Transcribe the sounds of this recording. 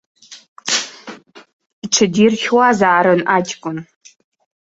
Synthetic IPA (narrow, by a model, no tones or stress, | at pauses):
ʈ͡ʂʰɨdiːrxʲwazaːɾɨnʔaːd͡ʒɡʷʼʊn